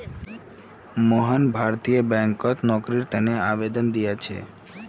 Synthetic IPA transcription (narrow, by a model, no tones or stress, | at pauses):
moɦanbʱaɾt̪iobɛŋkot̪nɔkɾiɾt̪eneabed̪ond̪ijat͡ɕʰḛ